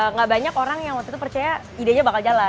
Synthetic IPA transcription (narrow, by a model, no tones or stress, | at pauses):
əŋɡaʔbaɲakoɾaŋjaŋwat̪it̪upərt͡ʃaja | idaɲabakald͡ʒala